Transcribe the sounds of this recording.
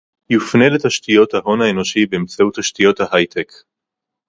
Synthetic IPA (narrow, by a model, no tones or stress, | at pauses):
jufne̞letaʃtijo̞thaɦo̞naeno̞ʃibeːmt͡sauthaʃtijo̞thaɦajt̪ʰek